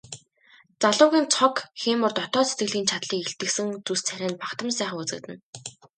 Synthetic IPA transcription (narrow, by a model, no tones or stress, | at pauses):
t͡saɮʊːɣʲiːnt͡sʰɔkxeːmʊrt̪ɔt̪ɔːset̪̚ɡɘ̆ɮiːnt͡ɕʰat̪ɮiːkeɬt̪ɘ̆ksɘ̆ŋt͡sust͡sʰæɾʲæːnpakt̪ə̆ms̬æːχ̆ŋut͡sɘ̆k̚t̪ɘ̆n